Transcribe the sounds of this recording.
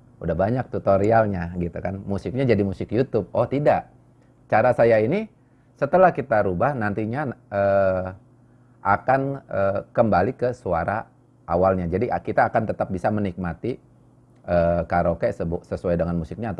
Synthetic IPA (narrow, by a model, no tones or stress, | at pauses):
udahbaɲak̚t̪ut̪oɾialɲaɡit̪ukanmusɪk̚ɲad͡ʒadimusɪkjut̪ʊb̚ɔht̪idaʔ | t͡ʃaɾasajaini | sət̪əlahkit̪aɾubahnant̪iɲaə | ʔakanəkəmbalikəsuaɾa | ʔawalɲad͡ʒadiʔkit̪aːkant̪ət̪ap̚bisamənik̚mat̪i | ʔəːkaɾokajasəbsəsuajdəŋanmusɪk̚ɲaːt̪